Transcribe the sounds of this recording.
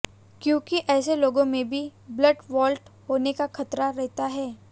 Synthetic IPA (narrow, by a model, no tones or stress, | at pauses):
kjõːkiʔɛːseloːɡõmẽbʱiblɐɖʋɔːlʈɦoːnekaxɐt̪ɾaɾɛɦt̪aɦɛː